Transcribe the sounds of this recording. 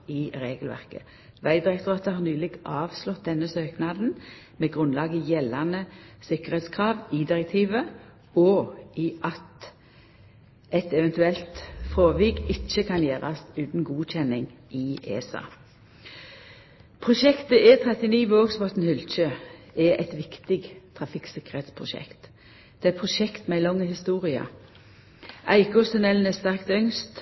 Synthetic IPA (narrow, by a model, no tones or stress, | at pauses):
ɪʁeːɡəlʋæ̰ʁkə̰ | ʋæɪd̪ɪʁɛkt̪ʊʁɑːt̪əhɑːʁnyːlɪɡʔɑːʋslɔt̪̚d̪ɛnːəsøːknɑːd̪n̩ | mɛːɡʁʉnlɑːɡəɪjɛlːɑnəsɪkəʁheːt̪skʰʁɑːʋɪd̪ɪʁɛk̚t̪ʰiːʋə | ɔɪʔɑt̪ | ɛt̪ɛʋɛnt̪ʉɛlt̪fʁoːʋiːɡɪt͡ʃːəkʰɑnjeːʁɑ̰sʉːt̪n̩ɡuːc͡çɛnɪŋʔɪḛːsɑ̰ː | pʰʁʊʃɛkt̪əɛt̪ʰʁɛt̪ɪniːʋoːɡsbɔt̪n̩hʏlc͡çøɛʔɛt̪ʋɪkt̪ɪɡt̪ʰʁɑfɪksɪkəʁɛt̪spʰʁʊʃɛ̰kt̪ | d̪̥ɛɛpʰʁʊʃɛkt̪mɛɪlɔŋːəhɪst̪uːʁɪɑ̰ | ʔæɪkɔst̪ʉnɛln̩ɛst̪æʁkt̪œŋst̪